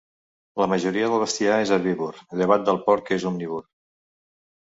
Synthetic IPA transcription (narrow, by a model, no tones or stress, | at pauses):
ləməʒuɾiəðəlˠβəst̪iaezəβiβurəʎəβat̪̚d̪əlˠpɔɾk̪ezumniβur